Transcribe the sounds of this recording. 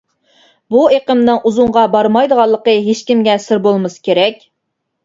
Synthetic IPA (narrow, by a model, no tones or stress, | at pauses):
bueqəmnɨŋʔuzuŋʁɑbɑɾmɑjd̪əʁɑlˠːəqəɦeʃkʲimɡʲɛsɪɾbolˠmɨskʲʰeɾɛkʲ